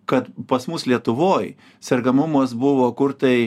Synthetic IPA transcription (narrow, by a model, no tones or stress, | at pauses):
kɐt̪pɐsmʊslʲiɛt̪ʊʋoːj | sʲɛɾɡɐmʊmɐsbʊʋoːkʊɾt̪ɐɪ